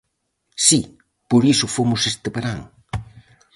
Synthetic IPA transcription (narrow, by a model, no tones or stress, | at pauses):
si | puɾisufomusest̪əpəɾaŋ